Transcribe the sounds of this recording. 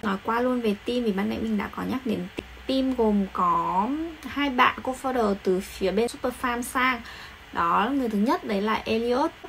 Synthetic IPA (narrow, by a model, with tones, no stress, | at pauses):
nɔ˨˦jkwaː˧lu˧ənve˨˩t̪i˧mvi˨˩ɓaː˧nɗa̰˧˥jmï˨˩ŋ̟ɗa̰ː˧˥kɔ˨˦ɲaː˦˥k̚ɗe˨˦nt̪i˨˦ŋt̪i˧mɣo˨˩mkɔ˨˦haː˧jɓa̰ː˧˨nko˧fɔ˧ɗəː˨˩t̪ɨ˨˩fi˨˦əɓe˧nsu˦˥p̚ə˧faː˧msaː˧ŋ | ɗɔ˨˦lŋɨ˨˩t̪ɨ˨˦ɲə˦˥t̚ɗə˨˦jla̰ː˨˩jʔe˧li˧o˦˥t̚